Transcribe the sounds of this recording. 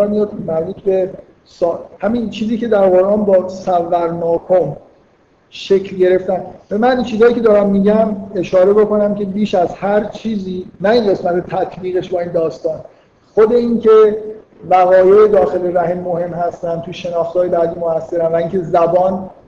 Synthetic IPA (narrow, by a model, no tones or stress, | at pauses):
nimæɾbuːt̪ʰbe̞ | sɒːhæmint͡ʃʰiːziːce̞d̪æɾɣo̞ɾʔɒːnbɒːsævːæɾnɒːkʰom | ʃe̞cʰlɟe̞ɾe̞ft̪ænbemænint͡ʃʰiːzɒːjiːcʰʲe̞d̪ɒːɾæmːiːɟæme̞ʃɒːɾe̞bo̞ko̞næmcʰe̞biːʃæzhæɾt͡ʃʰiːziːnæinɢe̞smæt̪ʰet̪ʰæt̪ʰbiːɣe̞ʃbɒːiːnd̪ɒːst̪ɒːn | xod̪e̞incʰe̞ | væɣɒːjeed̪ɒːxe̞leɾæhemːohe̞mhæst̪ænt̪ʰuʃe̞nɒːxt̪hɒːje̞bæd̪iːmoæsːe̞ɾænvæiːŋcʲʰezæbɒːn